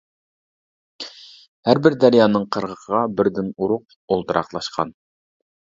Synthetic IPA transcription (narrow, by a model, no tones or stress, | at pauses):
hæɾbɪɾd̪æɾjɑːnɨŋqʰəɾʁəqʰəʁɑbɪɾd̪ɪnuɾʊq̚ | olˠt̪ɨɾʔɑqlˠɑʃqʰɑ̰n